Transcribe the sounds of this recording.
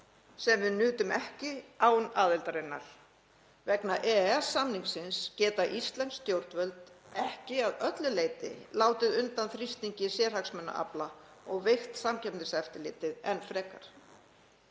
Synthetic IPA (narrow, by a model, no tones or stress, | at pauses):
sɛmvɪðnʏːt̪ʏmɛhcɪaːwnaːðɛlt̪aɾejnːa̰ɾ̥ | vɛknaʔɛɛsːamniŋksɪnscɛːt̪aʔist̪lɛnst̪jowɾ̥t̪vœlt̪ɛhcɪaðœt̪lʏleːjt̪ɪ̰laːwt̪ɪðʏnt̪anθɾist̪iɲcɪsjɛːɾ̥haksmœnːa̰ʔa̰plaɔɣvejxt̪samcʰɛpnɪsɛft̪ɪlɪːt̪ɪðɛnfɾɛːkaɾ̥